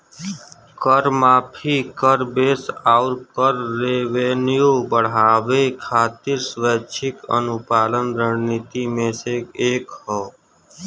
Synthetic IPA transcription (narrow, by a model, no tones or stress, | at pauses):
kəɾmaːpʰikəɾbeːsaːʊɾkəɾːeːʋeːnijobəɽ̤aːʋekʰaːt̪ɪɾsʋət͡ʃʰɪkə̰nʊpaːlənɾəɳnit̪imẽseeːkhɔː